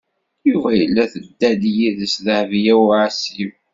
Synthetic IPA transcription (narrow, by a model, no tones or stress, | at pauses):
juvæjəlːæθəd̪ːæd̪jiðəsðəhvjæwʕsim